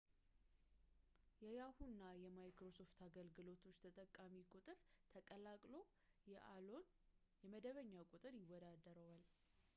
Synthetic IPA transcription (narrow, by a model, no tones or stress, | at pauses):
jɛjahunːajɛmajkɾo̞so̞ft̪ʰaɡəlɡɨlo̞t̪ʰo̞t͡ʃːt̪ʰət̪ʼəkʼːamikʼut̪ʼɨɾt̪ʰəkʼəlakʼlo̞ | ɛʔlon | jɛməd̪əβəɲːakʼut̪ʼɨɾjɪwːɔd̪ad̪əɾəwal